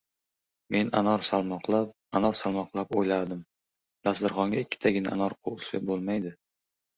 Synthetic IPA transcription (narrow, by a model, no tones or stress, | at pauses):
mʔe̞na̰nɒɾsalˠmɒqlˠap̚ | anɒɾsalˠmɒqlˠapojlaɾd̪ɪm | d̪̥asd̪ɪɾχɒŋɡʲaɪkʲʰːɪ̥t̪ʰaɡʲɪna̰ʔanɒɾqʰoʊʃa̰bolˠmajd̪ɪ